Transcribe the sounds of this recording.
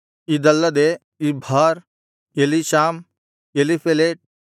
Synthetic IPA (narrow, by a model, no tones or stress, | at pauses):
id̪ɐlːɐd̪e | ibʱaːɾ | eliʃaːm | eːlipʰeleːʈ̚